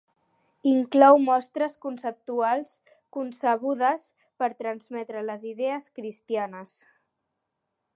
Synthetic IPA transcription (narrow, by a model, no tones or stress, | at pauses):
iŋklɔwmɔst̪ɾəskunsəp̚t̪ualˠs | kunsəβ̞uðəs | pəɾt̪ɾənzmɛt̪ɾələziðɛəskɾist̪ianəs